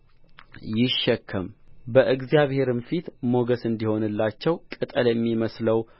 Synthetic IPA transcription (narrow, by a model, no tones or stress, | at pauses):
jɪʃːɛkʰːəmbəʔɨɡzjaβhe̞ɾɨnfit̪mo̞ɡəsɨnd̪iho̞nɨlːat͡ʃːɛwkʼɨt̪ʼəljɛmːiməsləw